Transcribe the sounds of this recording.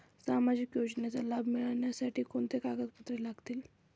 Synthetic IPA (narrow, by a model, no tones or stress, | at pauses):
samad͡ʑikjod͡ʑnjat͡salabʱmiɭaɳjasaʈʰiːkoɳt̪ekaɡəd̪pət̪ɾelaɡt̪iːl